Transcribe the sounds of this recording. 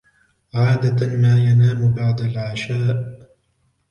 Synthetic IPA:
ʕaːd̪amaːjanaːmʊbaʕd̪alʕaʃaːʔ

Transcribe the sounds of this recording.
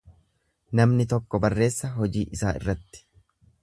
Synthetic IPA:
nɐmnɪt̪ɔkːɔbɐrːe̞ːsːɐɦɔd͡ʒiːʔɪsaːʔɪ̰rːɐt̪ːɪ̥

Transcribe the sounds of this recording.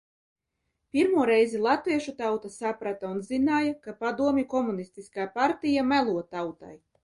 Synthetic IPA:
pʲiɾmuɔɾɛjzilˠat̪viɛʃut̪awt̪asapɾat̪aunzinaːjakapad̪uɔmʲikɔmunist̪iskaːpaɾt̪ijamælˠuɔt̪awt̪a̰j

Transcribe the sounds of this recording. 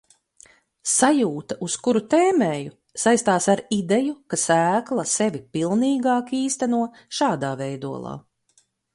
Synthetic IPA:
sajuːt̪ɐʔuskuɾut̪eːmeːju | sajst̪aːsaɾid̪ejukasæːklˠɐsevipilˠniːɡɑːkiːst̪ɛnuɔ | ʃɑːd̪aːvɛjd̪uɔlˠɑ̰ː

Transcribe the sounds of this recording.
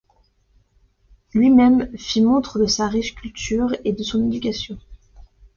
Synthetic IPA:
lɥimɛmfimɔ̃t̪χəd̪əsaʁiʃkʲylt̪ʰyʁed̪əsɔ̃ned̪ykʲasjɔ̃

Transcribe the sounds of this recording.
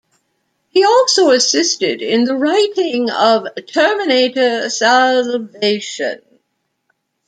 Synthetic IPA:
hiɔlˠsəʊəsɪstɪdɪ̃nðəɹaɪɾɪ̃ŋʌv̥tʰɜ˞mɨneɪɾəsælveɪʃə̰̃n

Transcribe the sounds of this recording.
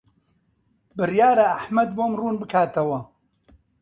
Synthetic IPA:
bɨrjaːɾaːħmɐd̪̚boːmruːnbɨkʰaːt̪ɐwɐ

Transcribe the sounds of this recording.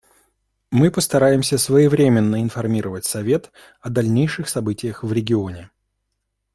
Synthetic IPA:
mɨpəst̪ɐɾajɪmsʲəsvəjɪvɾʲemʲɪnːəɪnfɐrmʲiɾəvətʲsɐvʲe̞t̪ | ɐd̪ɐlʲnʲejʂɨxsɐbɨtʲɪjəxvɾʲɪɡʲɪo̞nʲɪ

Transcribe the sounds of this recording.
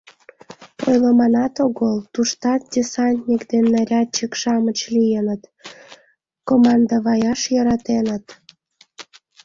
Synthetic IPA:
pojləmɑnɑt̪oɣəlˠt̪uʃt̪ɑt̪̚dʲisɑnʲt̪ʲnʲikd̪enːɑɾʲɑt͡ɕəkʃɑmət͡ɕlijenət̪ | komɑnd̪ɑβɑjɑʃjəɾɑt̪enət̪

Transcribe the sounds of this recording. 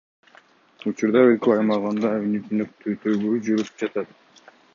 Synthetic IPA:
ut͡ʃuɾd̪ɑølkeɑjmɑʁɑnd̪ɑːvinit̪ynøk̚t̪ʰøt̪ʰøɡøyd͡ʒøɾt̪yp̚d͡ʒɑt̪ɑt̪

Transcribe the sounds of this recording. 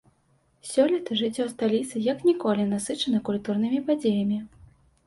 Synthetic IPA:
sʲɔlʲit̪ɨʐɨt͡sʲːɔst̪alʲit̪sɨjɐknʲikɔlʲinasɨt͡ʂɐnɐkulʲt̪urnɨmʲipad͡zʲejɐmʲi

